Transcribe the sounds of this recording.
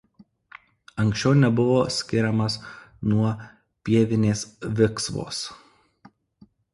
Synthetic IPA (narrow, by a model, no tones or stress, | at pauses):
ɐŋʲksʲt͡ʃʲɛʊnʲɛbʊʋoːsʲkʲɪɾʲɛmɐsnuɔ | pʲiɛʋʲɪnʲeːsʋʲɪksʋo̰ːs